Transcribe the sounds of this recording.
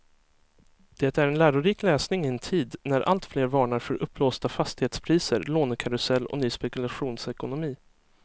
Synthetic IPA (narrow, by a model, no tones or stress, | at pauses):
d̪̥ɛːt̪æɾɛnlæːɾʊɾiːklɛːsnɪŋɪɛnt̪ʰiːd̪næɾʔa̰lt̪fleːɾvɑːɳaɾfœɾʔɵpːloːst̪afast̪ɪheːt̪spʰɾiːsəɾloːnkʰaɾʊsɛlːɔ̰nyːspɛkɵlaɧuːnsɛkʊnʊmiː